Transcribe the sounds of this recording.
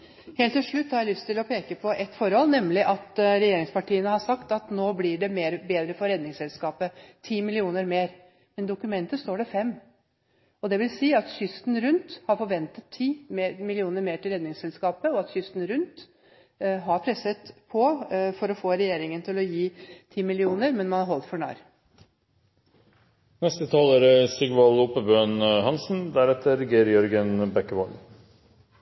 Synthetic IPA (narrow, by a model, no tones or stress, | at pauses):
heːlt̪ːɪlʂɭʉt̪ːhɑɾjæɪlʏst̪ʰɪlɔpʰeːkəpʰɔʔɛt̪ːfɔɾhɔlːnɛmːlɪʔɑt̪ɾɛjeːɾɪŋspɑʈiːənəhɑʂɑkt̪ɑt̪noːblɪɖɛmeːɾbeːd̪ɾəfɔɾɛd̪nɪŋsɛlskɑːpət̪ʰiːmɪlɪuːnəɾmeːɾ | mɛnd̪ʊkʉmɛnt̪əst̪oːɖɛfɛmː | ɔd̪ɛʋɪlsiːɑt̪çʏst̪n̩ɾʉnt̪hɑɾfɔɾʋɛnt̪ət̪ʰːiːmmɪlɪuːnəɾmeːʈɪlɾɛd̪nɪŋsɛlskɑːpəɔɑt̪çʏst̪n̩ɾʉnt̪ | ɦɑɾpʰɾɛsət̪pʰɔfɔɾɔfoːɾɛjeːɾɪŋənt̪ʰɪlɔjiːt̪ʰiːmɪlɪuːnəɾmɛnmɑnhɑɾɦɔlt̪fɔɳɑ̰ːɾ | nɛst̪ət̪ʰɑːləːɾəsɪɡʋɑluːpəbøːnhɑnsn̩d̪æɾɛt̪əɾɡeːɾjœɾɡənbɛkːəʋɔl